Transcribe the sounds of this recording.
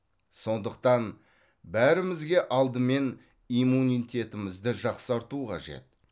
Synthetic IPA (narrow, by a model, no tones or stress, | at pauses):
so̞nd̪əq̚t̪ɑn | bæɾɪmɪzɡʲe̞ʔɑlˠd̪əme̞n | imunʲijt̪ʲe̞t̪ɪmɪzd̪ɪʒɑqsɑɾt̪uqʰɑ̰ʒe̞̰t̪̚